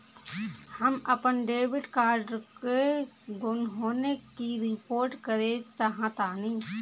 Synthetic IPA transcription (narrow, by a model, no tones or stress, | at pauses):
həməpənɖeːʋɪɖkaːɾɖɾke | ɡʊnɦoːnekiɾɪpoːɾʈkəɾeːd͡ʒsaɦãt̪aːniː